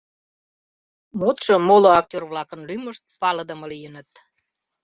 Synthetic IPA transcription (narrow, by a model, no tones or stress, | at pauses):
mot̪ʃomoloɑk̚tʲørβlɑkənlyməʃt̪̚pɑləd̪əməlijənət̪